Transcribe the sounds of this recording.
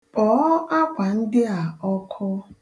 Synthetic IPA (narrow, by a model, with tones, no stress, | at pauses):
pɔ˨˦a˦kʷa˨n̩˦dɪ˦a˨ɔ˦kʰɔ˦